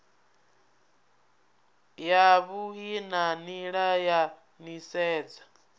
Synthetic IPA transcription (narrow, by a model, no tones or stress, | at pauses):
jaβuɦinaniɺaja | nisɛːd͡zḁ